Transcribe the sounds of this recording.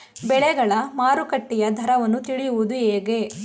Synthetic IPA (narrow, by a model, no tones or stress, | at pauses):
bɛɭɛɡɐɭɐmaːɾukɐʈːijɐd̪ʱɐɾɐʋɐnːut̪iɭijuʋud̪ueːɡe